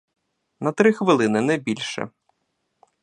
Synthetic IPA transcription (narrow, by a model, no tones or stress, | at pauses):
nɐt̪ɾɪxʋɪlˠɪnɪnɛbʲilʲʃɛ̰